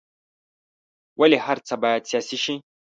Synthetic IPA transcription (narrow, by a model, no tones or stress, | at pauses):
wʔɐlehaɾt͡sabajat͡sijasiʃi